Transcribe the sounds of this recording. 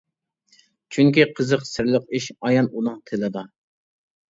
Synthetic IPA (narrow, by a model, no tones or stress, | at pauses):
t͡ʃʰyŋkʲiqʰəzəqsɪɾlˠəq̚iʃɑjɑnunɨŋt̪ʰelɨd̪ɑ